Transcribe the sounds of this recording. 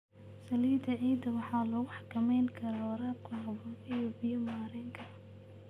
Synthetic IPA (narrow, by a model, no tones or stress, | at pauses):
sɐliːd̪ɐʕiːd̪ɐwɑħɑːlɔɣʊħɑkʰɐmɛjnkʰɐɾawɾaːb̚kʰʊɦɐbʊːfɛjɔbɪjɔmaːɾɪŋkʰɐ